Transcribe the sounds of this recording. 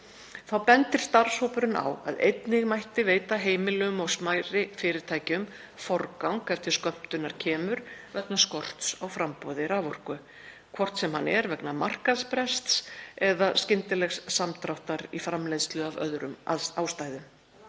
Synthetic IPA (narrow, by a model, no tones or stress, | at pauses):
θawpɛnt̪ɪɾ̥st̪aɾ̥showpʏɾɪna̰wa̰ðḛjt̪nɪɣmajht̪ɪveːjt̪aɦeːjmɪlɛʏmawsmajɾɪfɪːɾɪɾ̥t̪ʰaːjcɪʏm | fɔɾkawŋkɛft̪ɪɾ̥skœm̥t̪ʏnːaɾ̥cʰɛːmʏɾvɛknaskɔr̥t̪sawfɾampɔðɪɾaːvɔr̥kʏ | kʰvɔr̥t̪sɛmhanɛɾvɛknamar̥kaðspɾɛst̪sɛðascɪnt̪ɪlɛxsːamt̪ɾawht̪aɾifɾamlejðst̪lʏavœ̰ðɾʏmaawst̪aːjðʏm